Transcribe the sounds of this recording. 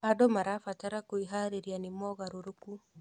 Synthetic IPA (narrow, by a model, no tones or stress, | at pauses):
adɔmaɾafataɾakoiɦaɾeɾjanimɔɣaɾoɾuku